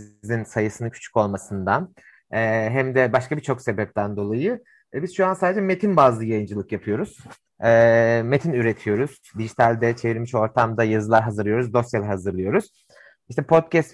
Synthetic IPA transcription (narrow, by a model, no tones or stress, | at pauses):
insajɯsɯnɯcʰy̥t͡ʃʰy̥co̞lˠmasɯnd̪an | ɛːɦɛmd̪ɛbaʃkabit͡ʃʰo̞kse̞bɛp̚t̪ʰænd̪o̞lˠajɯ | ɛbiz̥ʃuansaːd̪ed͡ʒɛme̞t̪ʰinbaːzlˠɯjajɯnd͡ʒɯlˠɯkjapʰɯjo̞ɾuz̥ | ɛːme̞t̪ʰinyɾet̪ʰijo̞ɾuz̥d̪iʒit̪ʰalʲd̪ɛt͡ʃʰe̞viɾʲmiʃo̞ɾt̪ʰamd̪ajazɯlˠaɾɦazɯɾlˠɯjo̞ɾuzd̪o̞sjalʲɛɦazɯɾlˠɯjo̞ɾuz̥ | iʃt̪ʰɛpʰo̞t̪̚cɛst̪